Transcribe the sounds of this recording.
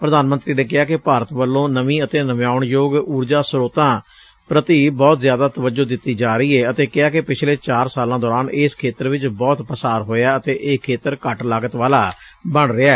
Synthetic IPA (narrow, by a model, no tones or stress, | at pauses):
pɾəd̪aːnmənt̪ɾiːnẽːk̬ɪɦaːkɪpaːɾət̪ʋəlːõːnəʋĩːət̪eːnəmjaːʊɳjoːɡuːɾd͡ʒaːsɾoːt̪ãː | pɾət̪iːbɔːt̪zjaːd̪aːt̪əʋəd͡ʒoːd̪ɪt̪ːiːd͡ʒaːɾəiːɛːət̪eːkɪaːkɪpɪt͡ʃʰleːt͡ʃaːɾsaːlãːd̪ɔːɾaːnɪːskʰeːt̪əɾʋɪt͡ʃbɔːt̪pəsaːɾɦoːjaːət̪eːʔeːkʰːeːt̪əɾkəʈlaːɡət̪ʋaːlaː | bəɳɾɪaː